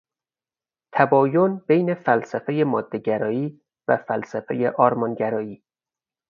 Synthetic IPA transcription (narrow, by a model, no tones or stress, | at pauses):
t̪ʰæbɒːjonb̥ejne̞fælsæfeje̞mɒːd̪ːeɟæɾɒːiː | væ̰fælsæfḛjeʔɒːɾmɒːnɟæɾɒːiː